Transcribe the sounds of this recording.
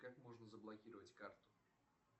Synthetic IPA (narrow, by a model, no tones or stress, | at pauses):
kakmoʐnəzəblˠɐkʲiɾəvətʲkart̪ʊ̥